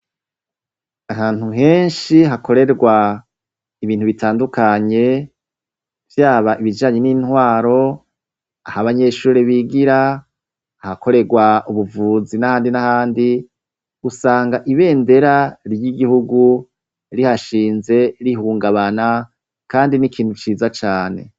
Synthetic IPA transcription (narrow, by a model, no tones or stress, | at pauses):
aɦaːn̥huɦe̞ːnʃiɦakʰo̞ɾe̞ɾɡwa | iβiːn̥uβitʰaːndukaɲe̞ | vjaːβaʔiβid͡ʒaːɲe̞niːnhwaːɾo̞ | ahaβaɲe̞ʃuːɾeβiɡiɾa | hakʰo̞ɾe̞ɡwaʔuβuvuzinahaːndinahaːndi | usaːŋɡaʔiβe̞ːnde̞ɾaɾjiɡihuɡu | ɾihaʃiːnze̞ɾiɦuːŋɡaβana | kaːndinikʰiːn̥hut͡ʃiːzat͡ʃaːne̞̰